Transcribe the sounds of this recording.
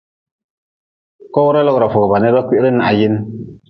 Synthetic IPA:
kɔ˦wu˦ɾa˦lɔ˦ɡɾa˨fɔ˨ɡɔ˨ba˨nɛ˦ɾba˦kʷi˦ʔɾɪ˦na˨ʔa˨ji˦n˦

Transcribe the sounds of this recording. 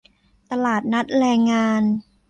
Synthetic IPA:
t̪a˧laː˨˩t̪̚na˦˥t̪̚ɾɛː˧ŋːaː˧n

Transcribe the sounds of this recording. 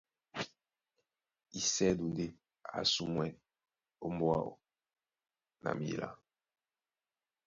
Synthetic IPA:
i˦sɛ˦du˨n˨de˦ | a̰˨su˦mwɛ˦ | o˦mbo˦a̰˦o̰˨ | na̰˨mi˨la̰˦

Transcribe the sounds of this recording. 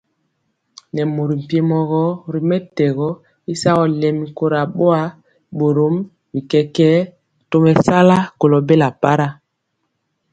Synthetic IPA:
nɛ˨mo˨ɾi˨m̩˨pje˨mɔ˨ɣɔ˦˨ɾi˨mɛ˦tɛ˨ɣɔ˦ | i˦sa˦ɣɔ˨lɛ˨mi˨ko˦ɾa˨ɓo˦a˦ | ɓo˨ɾo˨˦m | bi˨kɛ˨kɛ˦ | to˦mɛ˨sa˦la˦ko˨lɔ˨be˦la˨pa˦ɾa˦

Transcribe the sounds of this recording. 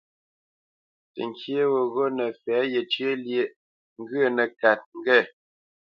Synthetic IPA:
tə̰˨ŋkje˦wo˨ɣo˦nə˨fɛ˨˦je˨t͡ʃɥe˦lje˨ | ŋ̩˦ɡɰə˦˨nə˨ka˨t̚ŋ˦ɡɛ˦˨

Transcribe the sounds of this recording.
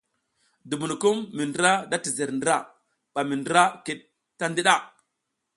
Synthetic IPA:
du˨bu˨n˨ku˦mːi˨ndə˦ɾa˦da˦ti˨ze˨ɾndɾa˦ | ɓ̥a˨mi˨ndɾa˦ki˦˨ɗ̚ | ta˦ndi˦ɗa˦

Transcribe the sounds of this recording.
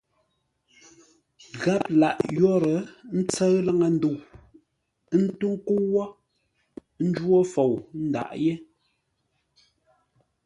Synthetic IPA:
ɣa˦p̚la̰˨ʔjɔ˦ɾə˨˦n̩˦t͡sə˦ɰla˦ŋa˨n̩˦du˦˨˦ | n̩˦tu˦ŋ̩˦ku˦wɔ˦ | n̩˦d͡ʒwo˦fo˨wn̩˦da̰˨ʔje˦

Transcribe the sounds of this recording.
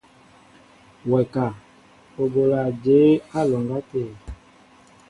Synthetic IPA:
wɛ˨ka˨ | o˨bo˨la˨d͡ʒe˨˦a˦lɔ˨ŋɡa˦te˨

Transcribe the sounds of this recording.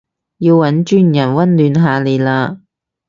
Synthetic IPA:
jiː˧wwɐ˨˥nt͡ʃyː˥njɐ˨˩nwɐ˥nlyː˨˧nɦaː˨le˨jlaː˧

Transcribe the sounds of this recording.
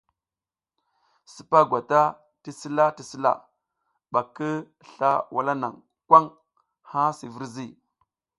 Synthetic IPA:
si˨pa˦ɡʷa˨ta˦ | ti˦si˦la˦ti˨si˦la̰˦ | ɓa˨kə˦ | ɬa˦wa˨la˦na̰˨ŋ | kwa˦ŋ | ha˦si˨vi˦ɾzi˦˨

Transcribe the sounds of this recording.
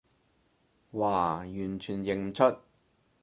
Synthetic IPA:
waː˨˩jyː˨˩nt͡ʃʰyː˨˩njɪ˨ŋm̩˨t͡sʰɵ˥t̚

